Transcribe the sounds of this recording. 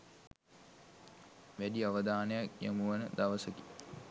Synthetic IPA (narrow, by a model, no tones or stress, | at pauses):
ʋæɖiaʋəd̪aːnəjakja̰muʋənəd̪aʋəsəki̥